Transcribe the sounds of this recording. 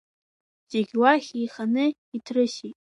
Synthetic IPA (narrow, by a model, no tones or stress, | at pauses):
d͡ʒeɡʲwaχʲijχanɨ | itʰrɨʃitʼ